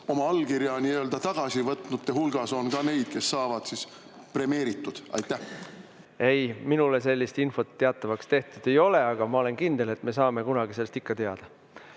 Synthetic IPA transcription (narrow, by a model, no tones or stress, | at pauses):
o̞mɑɑlːkiɾjɑniøːld̪ɑt̪ɑɡ̥ɑsivɤt̪nut̪̚t̪ːehulɡ̥ɑso̞nkɑne̞jd̪̥̚ke̞sːɑːvɑd̪̥sis | pre̞me̞ːɾit̪ːˑud̪̥ɑ̰jt̪ˑːæh | e̞jminule̞se̞lʲːist̪info̞t̪ːe̞ɑt̪ːˑɑvɑkst̪e̞ht̪ud̪̥e̞jo̞le̞ɑɡ̥ɑmɑo̞le̞nkind̪e̞le̞t̪ːme̞s̬ɑːme̞kunɑɡ̥ise̞lːest̪ikːɑt̪e̞ɑd̪̥ɑ